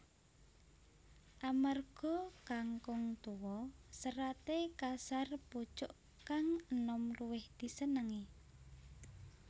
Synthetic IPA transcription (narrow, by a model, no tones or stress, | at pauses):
ʔamarɡ̥ɔ̤kaŋkʊŋt̪uwɔsəɾat̪ekasarpu̥t͡ʃʊʔ | kaŋənɔmruwɪhd̪̥i̤sənəŋi